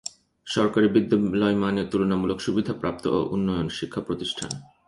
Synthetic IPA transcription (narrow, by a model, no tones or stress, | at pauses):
ʃɔɾkaɾibid̪ːolɔjmanet̪ulonamulokʃubid̪ʱapɾap̚t̪oʔo̰ʔunːɔjonʃikʰːapɾot̪iʃʈʰa̰n